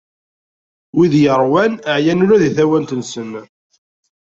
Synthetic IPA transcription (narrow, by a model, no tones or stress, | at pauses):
wiðjəɾˤwænəʕjænʊɾæðiθæwænt̪ənsən